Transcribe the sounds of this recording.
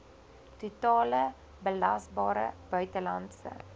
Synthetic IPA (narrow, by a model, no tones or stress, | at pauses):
tutɑːlə | bəlɐsbɑːɾə̰b̥œɥtəlɐntsə̰